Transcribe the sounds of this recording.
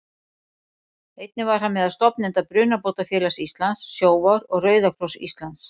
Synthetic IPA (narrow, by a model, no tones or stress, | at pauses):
ejt̪̚nɪvaɾ̥hanmɛðaðst̪ɔpnɛnt̪apɾʏːnapoːwt̪afjɛːlasist̪lant̪sːjoːwvaɾɔɣrœːɥðakʰlɔsḭst̪lant̪s